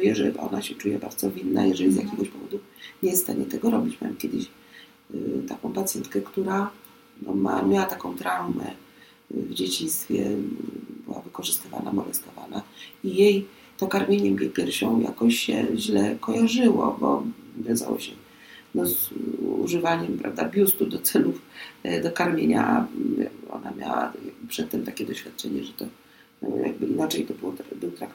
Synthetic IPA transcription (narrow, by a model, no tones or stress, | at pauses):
vʲjɛʐɛbaɔnaɕɛt͡ʂujɛbaɾd̪zɔvʲinːa̰jɛʐɛlʲizjakʲɛɡɔɕpɔvɔd̪uɲɛsst̪aɲɛt̪ɛɡɔɾɔbʲit͡ɕmaɛmkʲɛd̪ɘɕ | t̪akɔ̃w̃pat̪sʲjɛnt̪̚kɛkt̪uɾa | nɔmamʲjawat̪akɔ̃w̃t̪ɾawmɛ̰ | vd͡ʑet͡ɕinst̪fʲjɛ | bɘwavɘkɔʐɨst̪ɘva̰namɔlɛst̪ɔvanaijej | t̪ɔkaɾmʲjeɲɛmʲepʲjɛɾfɕɔ̃w̃ja̰kɔɕɕɛ̰ʑlɛkɔjaʐɘwɔbɔɡ̪aza̰wɔ̰ɕɛ | nɔzṵʐɘvaɲɛmpɾavd̪abʲjust̪ud̪ɔt̪sɛlufd̪ɔkaɾmʲjeɲa | ɔ̰namʲja̰wa̰jaɡbpʂɛt̪ːɛmt̪akʲɛd̪ɔɕfʲat̪̚t͡ʂɛɲɛʐɛt̪ɔ | ja̰ɡ̚bɘinat͡ʂɛjt̪ɔbɨwɔt̪bɘwt̪ɾak